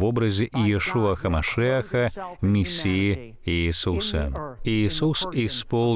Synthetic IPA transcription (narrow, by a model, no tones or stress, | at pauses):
vobɾɐzʲɪʔijɛʂuɐxɐmɐʂɛɐxɐmʲɪsʲːiji | iːsusɐ̰iːsusispolˠ